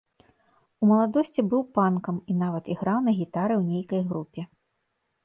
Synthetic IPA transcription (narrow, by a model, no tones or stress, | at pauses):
umɐlˠad̪ɔsʲt͡sʲibɨwpankɐmin̪avɐt̪iɣɾawnɐɣʲit̪aɾɨwnʲejkɐjɣɾupʲɛ